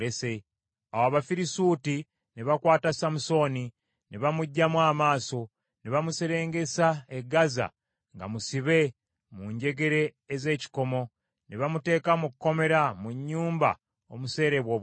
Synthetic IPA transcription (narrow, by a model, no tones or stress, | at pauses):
ese | awaaβafiɾisuːti | niβakwaːtasamuso̞ni | niβamuɟːamwaːmaːso̞ | niβamuseɾe̞ːŋɡe̞saeɡaza̰ | ŋɡa̰musiβe̞ | muɲɟe̞ɡe̞ɾe̞ː | ze̞ːci̥ko̞mo̞ | niβamute̞ːkamukkːo̞me̞ɾamuɲːuːmba̰ | o̰muse̞ːɾeβwo̞β